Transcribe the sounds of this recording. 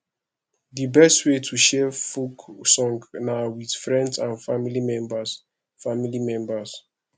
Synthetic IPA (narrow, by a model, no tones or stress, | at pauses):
dibɛstwetʰuʃɛfuksɔ̃ŋɡnawid̥fɹɛ̃ndsãnfamilimɛ̃mbas | familimɛ̃mbas